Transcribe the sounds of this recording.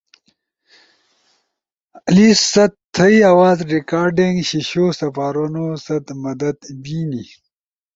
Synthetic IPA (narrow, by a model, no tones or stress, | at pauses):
ɐlisːɐt̪ʰːɐjɐwaːzɾikaːɾɖiŋɡɕiɕosɐfaːɾɐnosɐd̪mɐd̪ɐd̪biːni